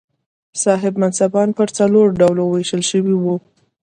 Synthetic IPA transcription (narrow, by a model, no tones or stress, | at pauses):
sɑɦɪbmansabɑnpəɾt͡saloɾɖawloweʃəlʃəwiwu